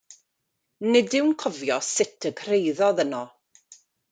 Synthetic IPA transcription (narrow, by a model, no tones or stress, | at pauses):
nɪdɪwnkʰɔvjɔsɪtʰəkʰrejðɔðənɔ